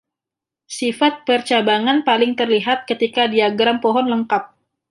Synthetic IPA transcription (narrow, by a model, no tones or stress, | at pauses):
sifat̪̚pərt͡ʃabaŋanpalɪŋt̪ərliɦat̪̚kət̪ikadiaɡɾampɔɦɔnləŋkap̚